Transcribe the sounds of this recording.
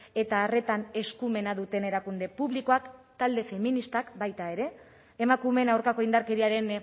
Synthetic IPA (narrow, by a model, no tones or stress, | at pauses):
e̞t̪aːre̞t̪ane̞skume̞naðut̪e̞ne̞ɾakund̪e̞puβliko̞akt̪ald̪e̞fe̞minist̪akbajt̪ae̞ɾe̞ː | makume̞nawɾkako̞ind̪aɾke̞ɾiaɾe̞n